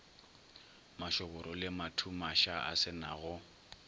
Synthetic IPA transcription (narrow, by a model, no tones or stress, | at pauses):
maʃɔbʊɾɔlɪmatʰumaʃaʔa̰sɪnaɣʊ